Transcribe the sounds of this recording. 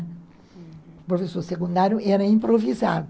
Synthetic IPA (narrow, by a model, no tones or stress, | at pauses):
pɾofesoɾsekũnd̪aɾjʊʔɛɾɐĩmpɾoviza̰d̪ʊ